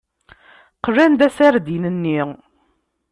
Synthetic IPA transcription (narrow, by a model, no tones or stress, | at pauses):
qrænd̪æsæɾd̪inənːi